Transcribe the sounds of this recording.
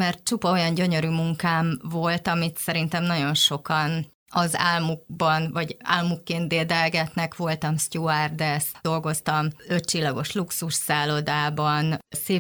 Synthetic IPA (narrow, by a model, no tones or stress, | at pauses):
mɛrt̪̚t͡ʃupɒo̞jɒnɟø̞ɲø̞ɾyːmuŋkaːɱvo̞lt̪ɒmit̪sɛɾint̪ɛmnɒɟo̞nʃo̞kɒn | ɒza̰ːlmuɡ̚bɒnvɒɟa̰ːlmukːeːnt̪d̪eːd̪ɛlɡɛt̪nɛkʋo̞lt̪ɒmst̪uard̪ɛsd̥̪o̞lɡo̞st̪ɒmø̞t̪t͡ʃilːɒɡo̞ʃluksuʃsaːlo̞d̪aːbɒnseː